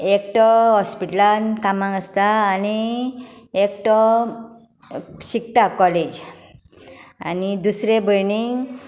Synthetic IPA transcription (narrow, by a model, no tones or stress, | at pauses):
ekʈɔɦɔspiʈlankamãŋəst̪aːni | ekʈɔ | ɕik̚t̪akɔled͡ʑ | a̰nid̪usɾebʱəjniŋɡ